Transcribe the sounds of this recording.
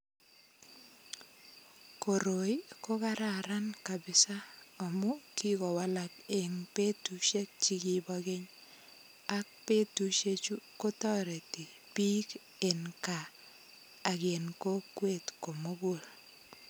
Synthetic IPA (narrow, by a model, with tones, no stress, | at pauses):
ko˨ɾo˨jko˦ka˦ɾa˨ɾa˦nka˨bɪ˨sa˦ɔ˨mʊ˦ki˦kɔ˨wa˦la˦ke˨ŋpe˦tu˦ʃe˦k̚t͡ʃi˦ɡi˦ba˦ɡe˦ɲ | a˦k̚pe˦tu˦ʃe˦t͡ʃu˦ko˦tɔ˦ɾe˨ti˨ | pi˦k | e˨nkaː˨ | ɡe˨nko˦kwe˦˨tko˨mo˦ɡo˦˨l